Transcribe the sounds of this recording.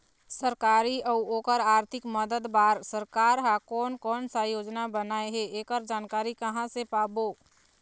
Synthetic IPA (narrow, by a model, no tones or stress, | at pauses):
səɾkaːɾiɔoːkəɾaːɾt̪ʰɪkməd̪əd̪baːɾsəɾkaːɾɦakɔːnkɔːnsajoːd͡ʒnabənaːeɦeeːkəɾd͡ʒaːnkaːɾikəɦãsepaːboː